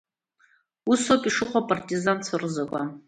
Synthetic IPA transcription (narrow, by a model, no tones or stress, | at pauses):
usokʼiʂɨqʷapʼartʼizant͡sʰarzakʷʼa̰